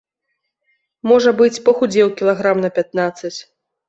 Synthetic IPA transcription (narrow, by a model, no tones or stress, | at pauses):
mɔʐɐbɨt͡sʲpɐxud͡zʲɛwkʲilˠaɣɾamnɐpʲat̪̚nat̪sːɐt͡sʲ